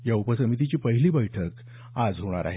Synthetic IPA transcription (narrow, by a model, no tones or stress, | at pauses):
jaupəsəmit̪it͡ɕiːpəɦiliːbəjʈʰək | ad͡zɦoɽ̃a̰ɾa̰ɦe